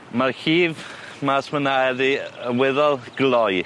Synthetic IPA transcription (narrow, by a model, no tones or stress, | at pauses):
marhiːv | masmənaɛðiəwɛðɔlˠɡ̥lˠɔj